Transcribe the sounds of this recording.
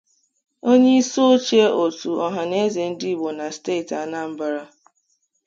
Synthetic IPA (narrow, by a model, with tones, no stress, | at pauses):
o˦ɲe˦i˦so˦t͡ʃe˦ʔo˨tu˨ɔ˦ɦa˨ne˦ze˨n̩˦di˦i˦˨bo˨na˨ste˦˨ta˨na˦m̩˦ba˦ɾa˦